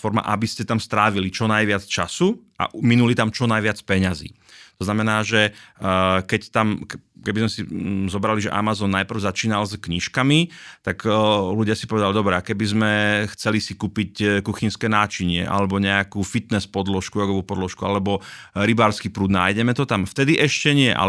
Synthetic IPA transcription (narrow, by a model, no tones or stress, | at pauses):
fɔɾma̰ʔabiscɛt̪amst̪ɾaːʋilit͡ʃɔnajʋɪat͡st͡ʃa̰suʔa̰ʔminulit̪amt͡ʃɔnajʋɪat͡spɛɲazḭː | t̪ɔznamɛnaːʒɛ | kɛct̪amkkɛbizmɛsizɔbɾaliʒɛ̰ʔa̰mazɔnːajpr̩ʊzat͡ʃiːnalzkɲiʃkamit̪akluɟɪasi̥pɔʋɛd̪alid̪ɔbɾɛakɛbizmɛxt͡sɛlisikuːpickuxinskɛːnaːt͡ʃiɲɪɛ̰ʔa̰lɛbɔɲɛakuːfit̪nɛspɔd̪lɔʃkuɾɔɡɔʋuːpɔd̪lɔʃkualɛbɔɾibaːɾskiːpɾuːd̪naːjɟɛmɛt̪ɔt̪amft̪ɛd̪iʔɛʃcɛɲɪɛʔa̰